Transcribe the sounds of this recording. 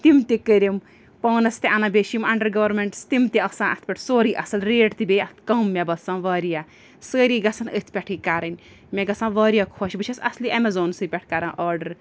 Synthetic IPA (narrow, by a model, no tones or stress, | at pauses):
t̪imt̪ikəɾʲim | pɐːnɐst̪iʔanɐbʲeʃimɐɳɖɐɾɡɐʋɾmeɳʈst̪imt̪iɐsãːnʔɐst̪̚ʰpʲɛʈʰsoːɾiːʔɐsɐlɾeːʈt̪ibʲejɐst̪ʰkɐmːɛbɐsãːʋɐːɾijaː | səːɾiːɡɐsɐnət̪ʰpʲɛʈʰiːkaɾɐnʲ | mʲeɡɐsãːʋɐːɾijakʰɔːʃbɨt͡ʃʰɐsɐsliʔɛmɛzoːnsɨpʲɛʈʰkaɾãːnʔɐːɾɖɐɾ